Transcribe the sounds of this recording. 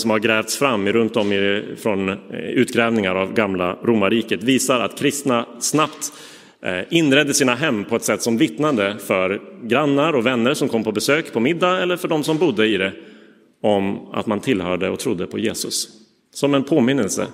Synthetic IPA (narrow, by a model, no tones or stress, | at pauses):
sɔmhaɾɡɾɛːvt̪sfɾamːɪɾɵnt̪̚d̪ɔmɪfɾɔnʉ̟ːt̪ɡɾɛːvnɪŋaɾavɡamlaɾuːmaɾiːkət̪viːsaɾa̰t̪kʰɾɪst̪nasnapt̪ | ɪnːɾɛd̪ːəsiːnaɦɛmːpʰɔɛt̪sɛt̪ːsɔmvɪt̪nad̪əfœɾɡɾanːaɾɔvɛnːəɾʂɔmkʰɔmːpʰɔbɛsøːkpʰɔmɪd̪ːaɛlːəɾfœɖɔmsɔmbʊd̪ːəɪd̪ɛ | ɔma̰t̪mant̪ʰɪlhœːɖəɔ̰t̪ʰɾʊd̪ːəpʰɔjeːsɵ̰sː | ɔmɛnpʰoːmɪnːəlsə̰